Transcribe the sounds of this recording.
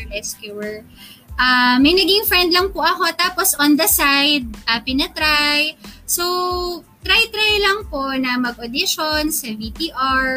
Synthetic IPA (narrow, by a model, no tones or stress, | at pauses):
ɾɛskjuɛɹ | ʔamɐjnɐɡiŋfɹɛnd̪lɐŋpʊʔɐko̞t̪aːposɔnd̪ɐsajd̪̚ʔɐpɪnɐt̪ɾajsot̪ɾajt̪ɾajlɐŋpo̞nɐmɐɡʔod̪ɪʃonsɐvipiʔaɹ